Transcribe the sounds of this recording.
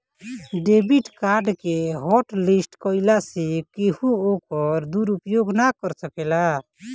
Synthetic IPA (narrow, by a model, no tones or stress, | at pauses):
ɖebiʈkaɾɖkeɦɔʈlisʈkəilasekehuokəɾd̪uɾupjoɡnakəɾsəkela